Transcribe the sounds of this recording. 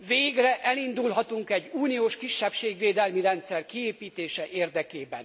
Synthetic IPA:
veːɡrɛʔɛlind̪ulɦɒt̪uŋkɛɟːuːnioːʃkiʃːɛpʃeːɡʋeːd̪ɛlmiɾɛnt̪sɛrkieːpiːt̪eːʃɛʔeːrd̪ɛkeːbɛ̰n

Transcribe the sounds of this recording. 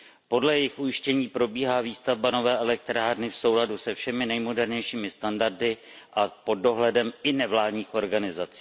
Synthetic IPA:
po̞dlɛjɛjɪxʔujɪʃcɛɲiːpɾo̞biːɦaːviːst̪avbano̞vɛːʔɛlɛk̚t̪ɾaːɾnɪfso̞wladusɛfʃɛmɪnɛjmo̞dɛɾɲɛjʃiːmɪst̪andaɾdɪ | ʔapo̞d̚ːo̞ɦlɛdɛmɪnɛvlaːdɲiːxʔo̞ɾɡanɪzat͡si̥ː

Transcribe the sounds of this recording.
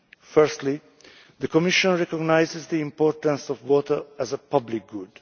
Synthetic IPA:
fɜɹst̪li | ðəkɔmɪʃɔ̃nɹɛkɔɡnajzɪzd̪iĩmpɔɹtə̃nsɔvwɔtəɹæzəpʌblik̚ɡud

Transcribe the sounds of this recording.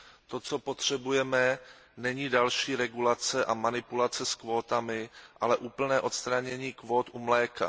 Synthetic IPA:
t̪o̞t͡so̞po̞t̪r̝̥ɛbujɛmɛ | nɛɲiːdalʃiːɾɛɡulat͡sɛʔamanɪpulat͡sɛskvo̞ːt̪amɪʔalɛʔuːpl̩nɛːʔo̞t̪st̪ɾaɲɛɲiːkvo̞ːt̪ʔumlɛːka̰

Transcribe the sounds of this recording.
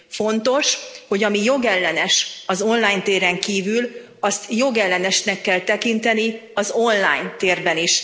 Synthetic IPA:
fo̞nt̪o̞ʃho̞ɟɒmijo̞ɡɛlːɛnɛʃɒzo̞nlaːjɲnt̪eːɾɛŋkiːvyl | ɒst̪jo̞ɡɛlːɛnɛʃnɛkːɛlt̪ɛkint̪ɛniɒzo̞nla̰ːjnt̪eːrbɛniʃ

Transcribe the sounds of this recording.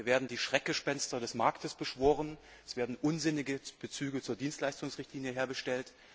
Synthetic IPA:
ɐveːɐdn̩diːʃʁ̥ɛk̚ɡ̥əʃpɛnstɐɾɛsmaɐktəsb̥əʃv̥oːʁən | ɛsv̥eːɐdn̩ʔʊnzɪnɪɡəb̥ət͡syːɡət͡suːɐdiːnstlaɪstʊŋsʁɪçtliːnjəɦeːɐɡəʃtɛlt

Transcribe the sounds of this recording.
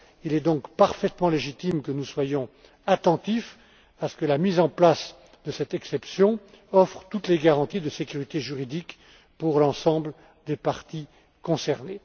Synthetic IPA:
ilɛd̪ɔ̃kpaʁfɛt̪mɑ̃leʒit̪imkənuswajɔ̃ | at̪ɑ̃t̪if | asə̥kəlamizɑ̃plas | d̪əsɛt̪ɛksɛpsjɔ̃ | ɔfχət̪ut̪leɡaʁɑ̃t̪id̪əsekʲyʁit̪eʒyʁid̪ik | puʁlɑ̃sɑ̃bl | d̪epaʁt̪i | kɔ̃sɛʁne

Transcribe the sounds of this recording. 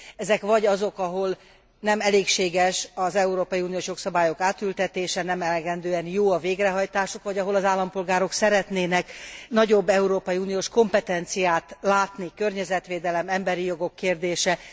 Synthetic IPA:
ɛzɛkʋɒɟɒzo̞kɒɦo̞l | nɛmɛleːkʃeːɡɛʃɒzɛuɾoːpɒjiuːnijoːʃjo̞ksɒbaːjo̞kaːt̪ylt̪ɛt̪eːʃɛnɛmɛlɛɡɛnd̪øːɛnjoːɒveːɡrɛɦɒjt̪aːʃokʋɒɟɒɦo̞lɒzaːlːɒmpo̞lɡaːɾo̞ksɛɾɛt̪neːnɛknɒɟo̞bːɛuɾoːpɒjiuːnijoːʃko̞mpɛt̪ɛnt̪sijaːt̪laːt̪nikørɲɛzɛt̪ʋeːd̪ɛlɛmɛmbɛɾijo̞ɡo̞kːeːrd̪eːʃɛ

